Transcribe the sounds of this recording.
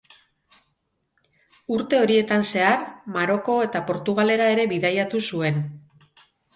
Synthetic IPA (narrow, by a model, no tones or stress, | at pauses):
uɾt̪e̞o̞ɾie̞t̪anse̞aɾmaɾo̞ko̞e̞t̪apo̞ɾt̪uɣ̞ale̞ɾae̞ɾe̞βiðajat̪usue̞n